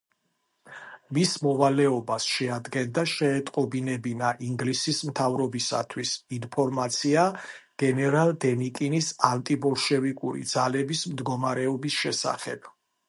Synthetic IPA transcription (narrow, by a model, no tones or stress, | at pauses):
mismɔvalɛɔbasʃɛad̪ɡɛnd̪aʃɛːt̪ʼqʼɔbinɛbinaʔiŋɡlisismt̪ʰavɾɔbisa̰t̪ʰwisinpʰɔɾmat̪sʰia | ɡ̥ɛnɛɾalˠd̪ɛnikʼinisant̪ʼibɔlʃɛvikʼuɾḭd̪zalɛbismd̪ɡɔmaɾɛɔbisʃɛsa̰χɛ̰b̥